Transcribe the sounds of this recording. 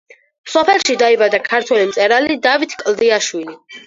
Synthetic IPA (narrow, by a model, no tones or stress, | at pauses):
sɔpʰɛlˠʃid̪aibad̪akʰaɾt̪ʰwɛlimt̪sʼɛɾalid̪avit̪ʰkʼld̪iaʃwili